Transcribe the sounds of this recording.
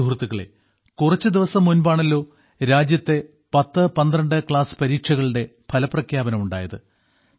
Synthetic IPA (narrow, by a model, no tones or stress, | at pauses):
uɦrut̪ːuɣɐɭḛ | kurɐt͡ɕːɨd̪iʋɐsɐmːunbaːɳɐlːo̞ː | ɾaːd͡ʑjɐt̪ːe̞ | pɐt̪ːɨpɐnd̪rɐɳɖɨkɭaːsɨ̥pɐɾiːkʂɐɣɐɭɨɽe̞pʰɐlɐprɐkʰjaːbɐnɐmuɳɖa̰ːjɐðɨ̰